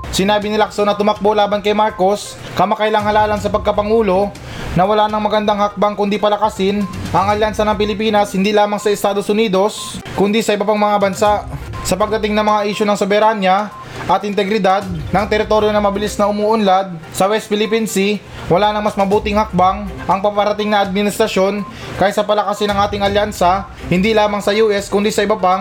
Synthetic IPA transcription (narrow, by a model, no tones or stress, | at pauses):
sɪnaːbɪnɪlaksonɐt̪ʊmɐk̚bo̞laːbɐnkɐjmaɾko̞s | kɐmɐkɐjlɐŋhɐlaːlɐnsɐpɐɡ̚kɐpɐŋuːlo̞ | nɐwɐlaːnɐŋmɐɡɐnd̪aŋhɐk̚baŋkʊnd̪ipɐlɐkasɪnʔɐŋɐlansɐnɐŋpɪlɪpiːnɐshɪnd̪ilaːmɐŋsɐɪst̪aːd̪o̞sʊniːd̪o̞s | kʊnd̪isɐʔɪbɐpaŋmɐŋabɐnsaʔ | sɐpɐɡ̚d̪ɐt̪ɪŋnɐŋmɐŋaʔiːʃonɐŋsobɛɾanja | ʔɐt̪ʔɪnt̪ɛɡɾɪd̪ad̪̚nɐŋt̪ɛɾɪt̪o̞ɾjo̞nɐmɐbɪlisnɐʊmuːʔʊnlad̪̚ | sɐwɛst̪̚fɪlɪpinsɪ | wɐlaːnɐŋmɐsmɐbuːt̪ɪŋhɐk̚baŋʔɐŋpɐmpɐɾɐt̪ɪŋnɐʔɐd̪̚mɪnɪst̪ɾɐʃjo̞n | kaːjɪt̪sɐpɐlɐkɐsɪnɐŋʔaːt̪ɪŋɐljansɐ | hɪnd̪ilaːmɐŋsɐjuːʔɛskʊnd̪isɐʔɪbɐpa